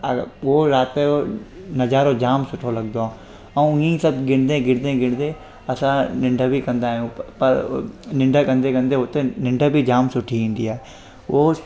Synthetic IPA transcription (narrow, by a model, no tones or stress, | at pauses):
ɐʊoɾaːt̪onɐzaːɾod͡ʑaːmsʊʈʰolɐɡd̪waː | ɐũĩsɐbɡɪɽd̪ẽɡɪɽd̪ẽɡɪɽ̃d̪e | ɐsãnɪ̃ɳɖʱəbikɐ̃nd̪aːɦijũpɐɾnɪ̃ɳɖʱəkɐ̃nd̪ekɐ̃nd̪eɦot̪enɪ̃ɳɖʱəbʱid͡ʑaːmsʊʈʰiɦẽːnd̪iaːɦe | ʊo